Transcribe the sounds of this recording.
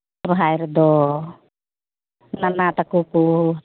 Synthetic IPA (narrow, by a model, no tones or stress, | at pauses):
ɾɔɦajɾd̪ɔ | nanat̪akuku